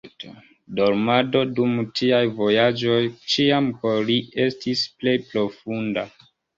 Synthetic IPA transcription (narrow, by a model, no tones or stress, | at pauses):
do̞ɾmado̞dumtʰiajvo̞jad͡ʒo̞jt͡ʃiamkolie̞stisple̞jpɾo̞funda